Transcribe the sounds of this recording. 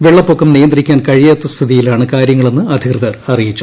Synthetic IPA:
ʋeɭːɐpːoːkːɐmnijɐnd̪rikʲːaːnkɐɻijɐːt̪ːɐst̪ʰiðijilaːɳɨkaːɾjɐŋːɐɭe̞nːɨɐd̪ʱikrɨðɐrɐrijit͡ɕːu̥

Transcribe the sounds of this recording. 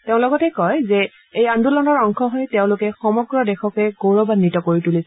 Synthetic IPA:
teʊ̃lɔɡɔtɛkɔjzɛ | ejandulɔnɔɹɔŋkʰɔɦɔjteʊ̃lʊkɛxɔmɔɡɹɔdɛxɔkɛɡowɹɔbanːitɔkoɹitulis

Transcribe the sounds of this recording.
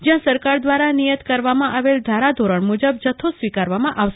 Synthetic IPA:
d͡ʒjãsəɾkaɾd̪ʋaɾanijət̪kəɾʋamãʔaʋeld̪ʱaɾad̪ʱoɾəɳmud͡ʒəb̚d͡ʒət̪ʰːosʋikaɾʋamãʔaʋʃ

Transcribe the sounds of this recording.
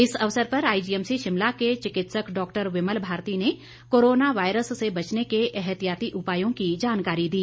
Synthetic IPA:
ɪsɐʋsəɾpɐɾaːid͡ʒiːɛmsiʃɪmlaket͡ʃɪkɪt̪səkɖɔːkʈəɾʋɪməlbʱaːɾt̪ine | koːɾoːnaʋaːɪɾəsːebɐt͡ʃnekeʔɛɦɛt̪ijaːt̪iʔʊpaːjõkid͡ʒaːnkaːɾid̪iː

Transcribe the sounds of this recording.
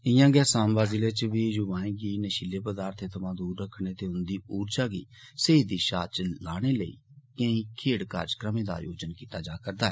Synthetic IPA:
ɪjãːɡɛːsaːmbaːzɪleːt͡ʃʋiːjʊʋãːẽːɡiːnəʃileːpəd̪aːɾt̪ʰeːt̪ʰəmãːd̪uːɾːəkʰɽ̃eːt̪eːʊnd̪iːuːɾd͡ʒaːɡḭː | seːid̪iːʃa̰ːt͡ʃəlaːɽ̃eːləḭː | kə̃ĩːkʰeːɽka̰ːɾd͡ʒkɾəmẽːd̪a̰ːjo̰ːd͡ʒənkiːt̪aːd͡ʒaːkəɾd̪aːɦɛː

